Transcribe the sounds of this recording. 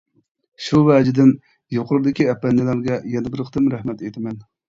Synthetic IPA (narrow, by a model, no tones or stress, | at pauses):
ʃuvɛd͡ʒɪd̪ɪn | joqʊɾɾɨd̪ɪkʲiɛpːɛnːɪlæɾɡʲɛjɛd̪ɪbɪɾqʰəd̪ɨmɾɛhmɛt̪et̪ʰɪmɛn